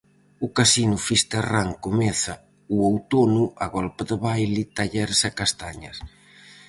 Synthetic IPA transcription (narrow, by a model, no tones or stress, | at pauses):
ʊkasinʊfist̪eraŋkomɛθɐ | uowt̪onʊʔaɣɔlpaðəβajlɪt̪aʎɛɾsakast̪aɲɐs